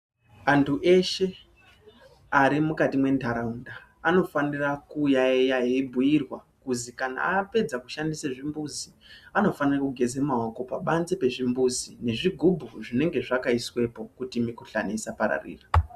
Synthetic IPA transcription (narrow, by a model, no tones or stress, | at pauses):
antʰuʔe̞ʃe̞ | aɾimukatimwe̞ndʱaɾaundaːno̞fanirakuːjaejaɦibʱujirwa | kuzikana̰ape̞d͡zakuʃandiseʐimbuzi | ano̞fanirakuɡʱe̞zemaoko̞paɓanzepe̞ʐimbuzine̞ʐiɡʱubʱuʐine̞ŋɡe̞ʐakaiswe̞po̞kutimikuɬa̰neisapaɾa̰rḭːra